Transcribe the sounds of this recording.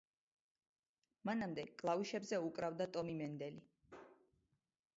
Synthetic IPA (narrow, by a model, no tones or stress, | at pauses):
manamd̪ɛkʼlˠauʃɛbzɛukʼɾavd̪at̪ʼɔmimɛnd̪ɛli